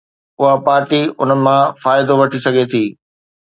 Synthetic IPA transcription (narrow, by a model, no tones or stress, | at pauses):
ʊɦapaːɾʈiʊ̰nəmãfaːjɪd̪oʋɐʈʰisɐɡʱet̪ʰiː